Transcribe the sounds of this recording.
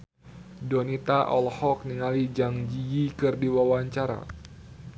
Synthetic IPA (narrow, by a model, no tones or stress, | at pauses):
dɔnit̪aʔɔlhɔk̚niŋalid͡ʒaŋd͡ʒijikɨrdiwawaɲt͡ʃaɾa̰